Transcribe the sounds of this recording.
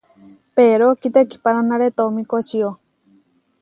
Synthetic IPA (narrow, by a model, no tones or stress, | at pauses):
peɾokit̪eki̥paɾanaɾet̪omĩkot͡ʃio